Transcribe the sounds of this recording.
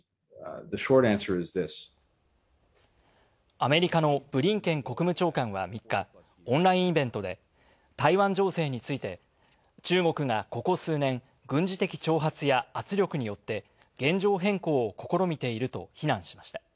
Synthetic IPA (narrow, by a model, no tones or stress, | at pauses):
ðɨʃɔɹɾæ̃nsə˞ɨzðɪs | ame̞ɾʲikano̞b̥ɯ̟ɾʲĩŋkẽ̞ŋko̞kɯ̟mɯ̟t͡ɕo̞ːkãɰ̃βa̰mʲikːa | õ̞nɾaĩɰ̃ibẽ̞nt̪o̞d̪e̞̰ | t̪aiβãɲ̟d͡ʑo̞ːse̞ːɲ̟it͡sɨit̪e̞ | t͡ɕɨːɡo̞kɯ̟ɡako̞ko̞sɨːnẽ̞ŋ | ɡɯ̟̃ɲ̟d͡ʑit̪e̞kʲi̥t͡ɕo̞ːɦat͡sɨjaat͡sɨɾʲjo̞kɯ̟ɲ̟ijo̞t̪ːe̞ | ɡ̥ẽ̞ɲ̟d͡ʑo̞ːɦẽ̞ŋko̞ːoko̞ko̞ɾo̞mʲit̪e̞iɾɯ̟t̪o̞̰çinãɰ̃ɕi̥mḁɕi̥t̪ḁ